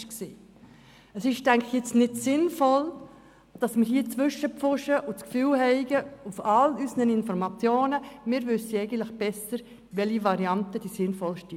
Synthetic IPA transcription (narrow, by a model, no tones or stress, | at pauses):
ksiː | əsɪʃtæŋkɪxjɪt͡stnɪdsɪnfɔl | d̥ɑsmɪɾhiːt͡sʋʏʃəpfʊʃəʔʊt͡skfyːlhɛɪɡ̥əufɑlysənənɪnfɔɾmɑt͡sjoːnəmɪːɾʋʏsəɛɪɡən̩tləχb̥ɛsəɾ | ʋɛliʋɑɾiɑntəd̥iːsɪnfɔlʃti